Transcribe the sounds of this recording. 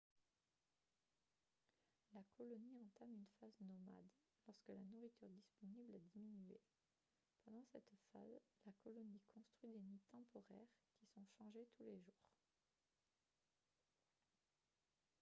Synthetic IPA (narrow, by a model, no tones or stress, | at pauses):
lakɔlɔniɑ̃t̪amynfaznɔma̰d̪ | lɔʁskəlanuʁit̪yʁd̪ispɔniblɛd̪iminye | pɑ̃d̪ɑ̃sɛt̪fa̰zlakɔlɔnikʰɔ̃st̪χid̪enit̪ɑ̃pɔʁɛʁkʲisɔ̃ʃɑ̃ʒet̪ʰuleʒuːʁ